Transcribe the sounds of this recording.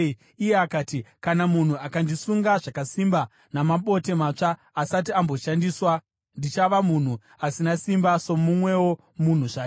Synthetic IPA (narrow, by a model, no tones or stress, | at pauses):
ijeakaːtikanamun̤uakandisuŋɡaʐakasimba | namaɓo̞te̞maːt͡ʂaː | sat̬iambo̞ʃandiswa | ndit͡ʃaʋamun̤u | asinasimbaso̞mumwe̞wo̞ | mun̤uʐaː